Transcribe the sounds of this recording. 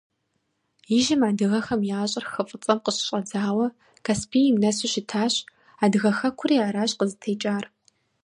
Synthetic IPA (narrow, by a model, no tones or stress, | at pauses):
jɪʒɪmaːdɨɣɐxɐmjaːɕʼɐrxɨfʼɨt͡sʼɐmqəɕɕʼɐd͡zaːwɐ | kʰaspʰiːjɪmnɐsɪʃɪtʰaːɕ | aːdɨɣɐxɐkʷʰʊriaːɾaːɕʼqəzɨtʰeːt͡ʃʼaːr